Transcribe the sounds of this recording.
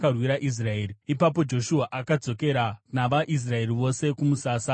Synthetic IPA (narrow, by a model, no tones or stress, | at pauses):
karwiɾaʔis̬rae̞ːɾiipap̬o̞d͡ʒo̞ʃuaʔakad͡zo̞ke̞ɾanaʋaʔis̬rae̞riʋo̞se̞kumusaːsa